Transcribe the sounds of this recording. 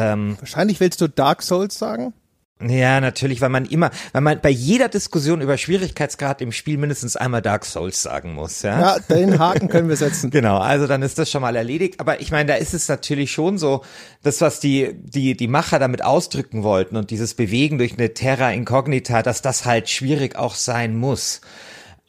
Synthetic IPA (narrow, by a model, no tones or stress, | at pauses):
ʔɛːmvaɐʃaɪnlɪçv̥ɪlstd̥uːd̥aɐksoʊlsz̥a̰ːɡŋ̩ | jaːnatʰyːɐlɪçv̥aɪlmanʔɪmɐvaɪlmanbaɪjeːdɐdɪskʊs̬joːnyːbɐʃv̥iːʁ̞ɪçkʰaɪsɡ̥ʁaːtɪmʃpiːlmɪndəstn̩sʔa̰ɪnmaːlda̰ɐkso̰ʊlsz̥a̰ːɡŋ̩mʊ̰sjaːad̥enɦaːkŋ̩kʰənənviːɐzɛt͡sn̩ɡ̥ənaʊʔa̰lzodanɪstd̥asʃoːnmaːlɛɐleːɾɪçtʔaːbɐʔɪçmaɪnədaːɪstɛsnatʰyːɐlɪçʃoːnzoː | d̥asv̥asd̥iːd̥iːdiːmaχɐdaːmɪtʔa̰ʊsd̥ʁʏkŋ̩vɔltn̩ʊnt̚d̥iːzəsb̥əveːɡŋ̩dʊɐçnətʰɛʁaɪnkʰɔɡnitʰaːd̥asd̥ashaltʃv̥iːʁɪça̰ʊxz̥aɪnmʊs